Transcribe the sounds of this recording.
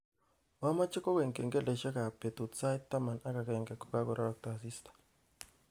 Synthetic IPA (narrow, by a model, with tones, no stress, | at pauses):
wa˦ma˦t͡ʃe˦ko˦we˨ŋke˨ŋɡe˦le˨ʃɛ˦ka˨pe˨t̪u˨t͡sa˦jt̪ːa˦ma˨na˦ka˨ke˨ŋɡe˨ko̥˨ka˦ko˨ɾa˦ɾɔ˨k̚tsi˦st̪ḁ˨